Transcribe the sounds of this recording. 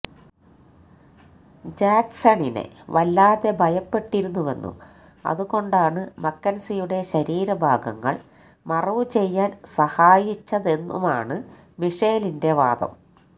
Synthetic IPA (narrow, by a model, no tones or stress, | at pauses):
d͡ʑaːksɐɳinḛʋɐlːaːðe̞bʱɐjɐpːe̞ʈːiɾunːuʋe̞nːṵ | ɐ̰ðuɣo̞ɳɖaːɳɨmɐkːɐnsijuɽe̞ɕɐɾiːɾɐbʱaːɡɐ̰ŋːɐ̰ɭ | mɐrɐʋut͡ɕe̞jːaːnsɐhaːjit͡ɕːɐðe̞nːṵmaːɳɨ | miʂeːlinde̞ʋaːd̪ɐ̰m